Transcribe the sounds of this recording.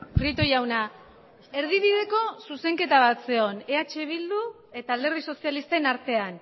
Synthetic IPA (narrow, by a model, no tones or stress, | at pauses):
fɾit̪o̞jawna | e̞ɾðiβiðe̞ko̞suse̞ŋke̞t̪aβ̞at̪se̞o̞ne̞at͡ʃe̞β̞ild̪u | e̞t̪aːld̪e̞rðiso̞sialist̪enaɾt̪e̞an